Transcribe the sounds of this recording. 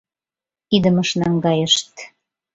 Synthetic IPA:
id̪ə̆mə̆ʃnɑŋɡɑjəʃt̪

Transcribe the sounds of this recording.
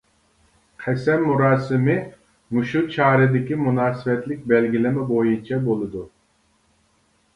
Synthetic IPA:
qʰɛsɛmːuɾɑːsɨmɪ | muʃut͡ʃʰɑːɾɪd̪ɪkʲimunɑːsɪvɛt̪lɪk̚ʲbɛlɡʲilɪmɛbojunt͡ʃʰɛbolˠɨd̪u

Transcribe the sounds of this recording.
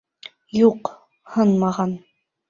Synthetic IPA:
juq | hɤnmɑʁɑn

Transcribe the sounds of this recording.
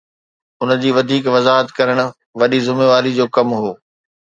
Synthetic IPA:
ʊnə̆d͡ʑiːʋɐd̪ʱiːkʋɐzaːɦət̪kɐɾəɽ̃ʊ̆ | ʋɐɗizɪmeʋaːɾid͡ʑoːkɐmɦoː

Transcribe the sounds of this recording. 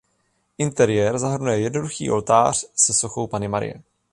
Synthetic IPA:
ʔɪnt̪ɛɾɪjɛɾzaɦr̩nujɛjɛdno̞duxḭːʔo̞lt̪aːr̝̥sɛsoxo̞wpanɪmaɾɪ̰jɛ̰

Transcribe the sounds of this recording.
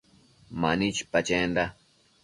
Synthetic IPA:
ma̰nit͡ʃpat͡ʃend̪a

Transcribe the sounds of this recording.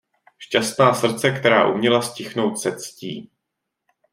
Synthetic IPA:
ʃcast̪naːsr̩t͡sɛkt̪ɛɾa̰ːʔumɲɛlascɪxno̞wt̪sɛt̪t͡scḭː

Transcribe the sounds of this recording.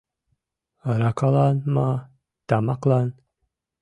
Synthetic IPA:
ɾakalanma | t̪amaqlan

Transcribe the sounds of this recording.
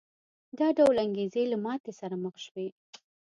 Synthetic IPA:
d̪ɑɖawlaŋɡezelamɑt̪esaɾaməxʃwe

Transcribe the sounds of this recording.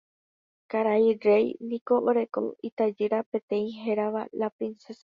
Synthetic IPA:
kaɾajrejnĩkoʔoɾeko̰it̪ad͡ʒɨɾapẽ̞t̪ẽ̞ĩɦeɾaʋalapɾinsesa

